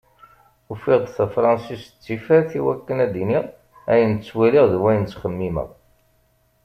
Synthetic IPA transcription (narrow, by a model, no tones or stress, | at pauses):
ufiʁd̪ˤθæfɾˤɑnsist͡sːifæɾθiwækːənæd̪iniʁ | æjənt͡sːwæliʁðwæjənt͡sːχəmːimə̰ʁ